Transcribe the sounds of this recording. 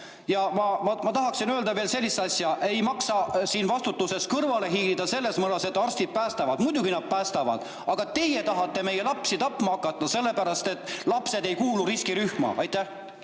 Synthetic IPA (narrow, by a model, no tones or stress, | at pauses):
jɑmɑmɑmɑt̪ɑɦɑksinøøld̪̥ɑve̞ːlse̞lʲːist̪ɑsʲjɑʔe̞jmɑksɑsiːnvɑst̪ut̪ːˑuse̞skɤrvɑle̞ɦiːlid̪̥ɑse̞lːe̞smɤlɑse̞t̪ːˑɑrst̪id̪̚pæːst̪ɑvɑd̪̥mujd̪uɡinɑd̪̥̚pæːst̪ɑvɑ̰d̪̥ | ɑɡ̥ɑt̪e̞je̞t̪ɑɦɑt̪ːˑe̞me̞jelɑpsit̪ɑpːmɑɑkːˑɑt̪ˑːɑse̞lːe̞pæɾɑst̪e̞t̪ːˑlɑpse̞d̪e̞jkuːluɾiskiɾyhmɑ̰ʔɑjt̪ːˑæh